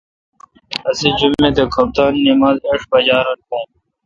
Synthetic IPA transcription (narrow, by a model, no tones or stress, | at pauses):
ɐsed͡ʑumːed̪ekʰɐb̚t̪aːnːimaːzeːʂbɐd͡ʑaːɾɐnkõː